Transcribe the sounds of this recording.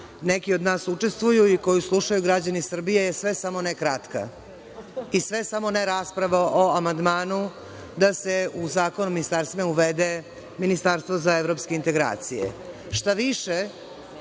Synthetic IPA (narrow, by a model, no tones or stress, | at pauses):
nekio̞d̪naːsut͡ʂe̞st̪ʋujuiko̞juslˠuʃajuɡɾad͡ʑanisr̩bijejesʋe̞samo̞nekɾat̪ka̰ | isʋe̞samo̞neɾaspɾaʋaʔoamand̪maːnu | d̪aseuzaːko̞numinist̪aɾst̪imauʋed̪e | minist̪aɾst̪vozaeʋɾo̞pske̞int̪e̞ɡɾa̰ːt̪sijḛ | ʃt̪aʋiʃe